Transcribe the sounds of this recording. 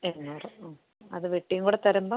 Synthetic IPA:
enːɐrɐ | ɐðɨʋeʈːijɐŋkuːɽet̪ɐɾɐmba

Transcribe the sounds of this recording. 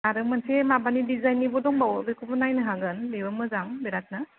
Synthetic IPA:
aɾɯmansemabanidizajnibɔdɔŋbawbekʰubɔnajnɯɦaɡɯnbebɯmɯzaŋbɛɾat̚nɯ

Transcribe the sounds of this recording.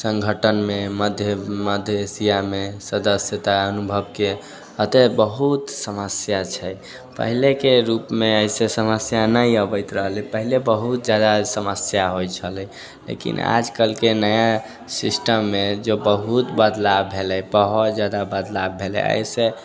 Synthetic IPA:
sə̃ŋɡʱəʈənmeməd̪ʱjəməd̪ʱjəsijamesəd̪əsjət̪aənubʱəbke | ət̪ebəɦut̪səməsjat͡ʃʰɛj | pə̰ɦilekeɾupmeəjsesəməsjanəiəbəjt̪ɾəɦlɛpəɦilebəɦut̪̚d͡ʒjad̪asəməsjaɦojt͡ʃʰəlɛ | lḛkḭna̰d͡ʒkəlkenəja | sisʈəmːed͡ʒebəɦut̪bəd̪labʱelɛjpəɦut̪d͡ʒjad̪abəd̪labʱelɛ̰ə̰jse

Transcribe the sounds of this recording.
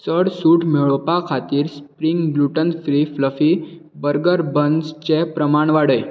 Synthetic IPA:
t͡səɽsuːʈmeɭopakʰat̪iːɾspɾiŋɡbluʈənfɾifləfiː | bəɾɡəɾbənst͡ɕepɾəmaɳʋaɽe

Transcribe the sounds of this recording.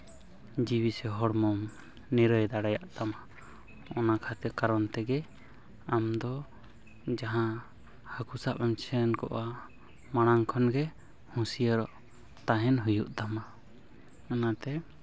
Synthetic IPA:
d͡ʒiwisɛɦɔɽmɔm | niɾəjd̪aɽajaʔd̪ama | ɔnakʰat̪ɛkaɾɔnt̪ɛɡɛ | amd̪ɔ | d͡ʒaɦã | hakusapɛmt͡ʃʰənkɔ̰ʔa | maɽ̃aŋkʰɔnɡɛ | hũsijəɾɔʔ | t̪aɦɛnɦujuʔt̪ama | anat̪ɛ

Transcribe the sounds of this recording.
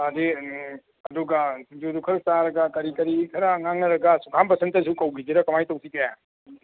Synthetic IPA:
ɐdi | ɐduɡɐd͡ʒudukʰɐɾɯk̚taɾɐɡɐkɐɾikɐɾikʰɐɾaŋaŋnɐɾɐɡɐsukʰampɐsʰentɐs̬ukɐwɡʰid͡ʒiɾɐkɐmajtɐwsʰikɐja

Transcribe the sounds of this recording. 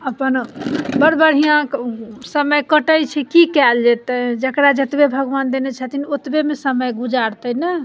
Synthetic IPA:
əpənbəɾbəɽ̤ijãksəməjkəʈəjt͡ʃʰɛkikɛld͡ʒɛt̪əd͡ʒəkɾad͡ʒət̪bebʱəɡʋand̪enet͡ʃʰət̪inot̪bemesəməjɡud͡ʒaɾt̪ənə

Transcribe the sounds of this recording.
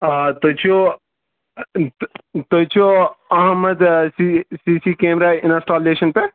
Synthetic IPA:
t̪ot͡ʃʰo | t̪oːt͡ʃʰoɐɦmːəd̪sisiːsiːkeːmɾaːɪnasʈaːleːʃənpe

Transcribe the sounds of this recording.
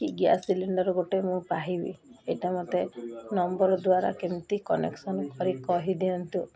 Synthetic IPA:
kiɡja̰siliɳɖɔɾɔɡoʈemũpaɦibḭeʈamɔt̪enɔmbɔɾɔd̪waɾa̰kemt̪ikɔnḛksɔnɔkɔɾikɔɦid̪iɔnt̪ũ

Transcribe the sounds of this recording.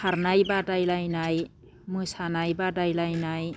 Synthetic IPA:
aɾnajbadajlajnaj | mɯsanajbadajlajnaj

